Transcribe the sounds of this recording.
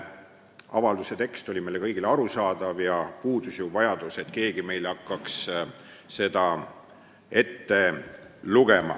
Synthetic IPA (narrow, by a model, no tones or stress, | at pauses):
ɑvɑld̪use̞t̪e̞kst̪o̞lʲimejle̞kɤjɡileɑɾusɑːd̪̥ɑvjɑpuːd̪usjuvɑjɑd̪̥use̞t̪ke̞ːɡime̞jlɑkːɑks | se̞d̪̥ɑ | e̞t̪ːe̞luɡe̞mɑ̰